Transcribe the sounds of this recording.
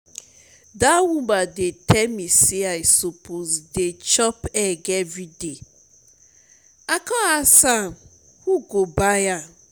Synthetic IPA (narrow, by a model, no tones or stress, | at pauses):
dawũmbadetɛlmisiaɪsopozdet͡ʃɔpɛɡɛvɹide | akɔasãm | huɡobaja